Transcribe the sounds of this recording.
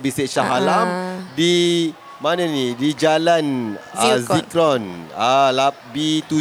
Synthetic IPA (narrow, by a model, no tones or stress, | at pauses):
biseʔʃaɦalamdi | mananidid͡ʒalanazikɾɔnalap̚bit̪u